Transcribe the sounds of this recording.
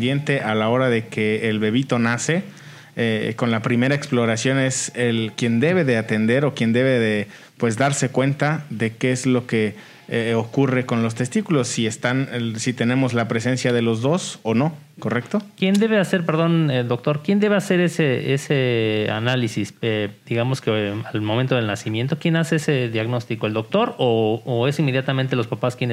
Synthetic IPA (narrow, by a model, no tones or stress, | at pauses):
d̪je̞nt̪e̞ʔalao̞ɾaðe̞ke̞ːlβe̞β̞it̪o̞nase̞ | eko̞nlapɾime̞ɾaeksplo̞ɾasjo̞ne̞selkje̞nd̪e̞βe̞ðe̞at̪e̞nd̪eɾo̞kje̞nd̪e̞βe̞ðe | pwe̞zðaɾse̞kwe̞nt̪aðe̞keezlo̞ke̞ | eokure̞ko̞nlo̞s̬t̪e̞st̪ikulo̞sːie̞st̪ansit̪e̞nẽ̞mo̞zlapɾe̞se̞nsjaðe̞lo̞zðo̞sono̞ | ko̞rekt̪o̞kje̞nd̪e̞βe̞ase̞ɾpe̞ɾðo̞ned̪o̞k̚t̪o̞ɾkje̞nd̪e̞βe̞ase̞ɾe̞seesea̰nalisised̪̥iɣamo̞skealmoment̪o̞ð̞elnasimje̞nt̪o̞kje̞nase̞ese̞ðjaɣno̞st̪iko̞eld̪ok̚t̪o̞ɾoːe̞sinmːe̞ðjat̪amẽnt̪elo̞spapaskjen